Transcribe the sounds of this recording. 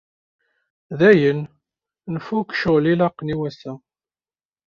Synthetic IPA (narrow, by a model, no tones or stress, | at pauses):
ðæjən | nəfukʃəlilɑqːniwæsæ